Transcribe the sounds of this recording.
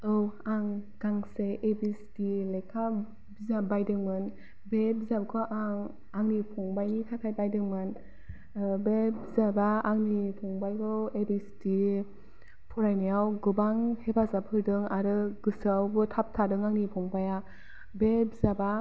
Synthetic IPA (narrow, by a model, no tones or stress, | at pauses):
ɯwaŋɡaŋseʔebistilekʰa | bizabajdɯŋmɯn | bebizabkʰɔʔaŋ | aŋnipʰɔŋbajnikʰatʰajbajdɯŋmɯn | bebizabaːŋnipʰɔŋbajkʰɔebisti | pʰɔɾajnajawɡɯbaŋhebazapʰɯɾdɯŋaɾɯɡɯsawbɯtʰap̚tʰadɯŋaŋnipʰɔŋbaja | bebzaba